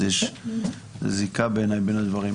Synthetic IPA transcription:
eʃ | zikabenajbenad̪vaʁi

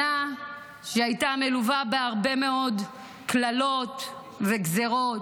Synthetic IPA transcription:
a | ʃeajtameluvabeaʁbe̞me̞o̞d | klalo̞t̪ | veɡzeʁo̞t

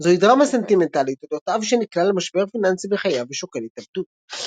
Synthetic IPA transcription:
zoid̪ʁamase̞nt̪ime̞nt̪alit̪od̪ot̪avʃeniklalemaʃbe̞ʁfinansibeχajaveʃoke̞litabd̪ut̪

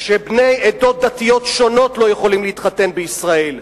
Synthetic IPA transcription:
ʃebne̞jedo̞t̪̚d̪at̪ijo̞tʃo̞no̞tlo̞jeχo̞limleit̪χat̪e̞nbeisʁae̞l

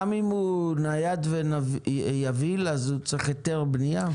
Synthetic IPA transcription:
mimunajad̪venavjavilazut͡sʁiχjoteʁbnija

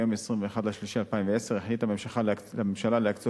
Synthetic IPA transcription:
jo̞messʁimveːχad̪laʃliʃialpaimveeseʁeχlithamemʃaχaamemʃalaleakt͡so

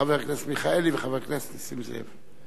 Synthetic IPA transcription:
aveʁknasmiχaeliveχaveʁknasnisimzḛv

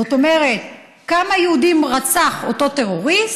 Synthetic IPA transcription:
ot̪o̞me̞ʁe̞t̪̚ | kamajeudimʁat͡saχoto̞t̪e̞ʁo̞ʁis

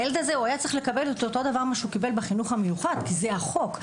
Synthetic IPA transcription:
jeled̪azeoajat͡sʁi̥χle̞kabelotot̪o̞d̪avaʁmaʃeukibe̞lbeχinuχhamejuχad̪kizeaχo̞k

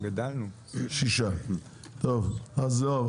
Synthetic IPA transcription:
ɡad̪alnu | ʃiʃa | t̪ovazo

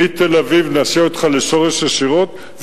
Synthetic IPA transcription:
it̪elavivnaːseot̪χaleʃo̞ʁeʃaʃiʁo̞t̪ | v

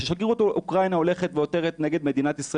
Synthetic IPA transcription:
ʃeʃaɡiuot̪olʔukʁajnao̞le̞χet̪veo̞t̪e̞ʁet̪neɡe̞d̪me̞d̪inat̪isʁa

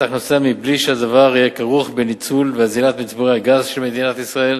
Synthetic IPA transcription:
aχnosemibliʃead̪avaʁijekaʁuχbenit͡sulveazilat̪mit͡sboʁeaɡazʃelmed̪inat̪isʁael

